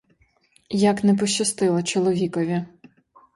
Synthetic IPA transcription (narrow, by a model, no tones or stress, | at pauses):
jaknɛp̬ɔʃt͡ʃːɐst̪ɪlˠɐt͡ʃɔlˠɔʋʲikɔʋʲi